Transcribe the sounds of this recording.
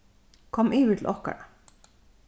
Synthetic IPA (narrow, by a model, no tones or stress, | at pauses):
kʰɔmʔɪːʋɪt̪ʰl̩ɔhka̰ɾa